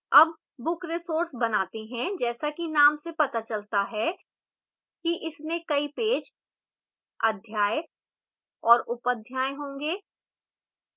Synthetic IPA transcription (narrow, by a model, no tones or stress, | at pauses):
ɐb̚ː | ʊkɾɪsoːɾsbɐnaːt̪eɦɛ̃d͡ʒɛːsakinaːmsepɐt̪at͡ʃɐlt̪aɦɛ | kiʔɪsmẽkɐipeːd͡ʒ | ɐd̪ʱjaːj | ɔːɾʊpəd̪ʱjaːeɦõːŋɡeː